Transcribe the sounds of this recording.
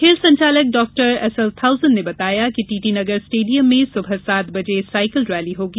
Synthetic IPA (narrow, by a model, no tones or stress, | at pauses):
kʰeːlsɐ̃ɲt͡ʃaːlək̚ɖɔːk̚ʈəɾɛsəlt̪ʰawzənnebɐt̪aːjakiʈiʈinəɡəɾsʈeːɖijəmːesʊbʱəsaːt̪bəd͡ʒesajkəlɾɛːliɦoɡi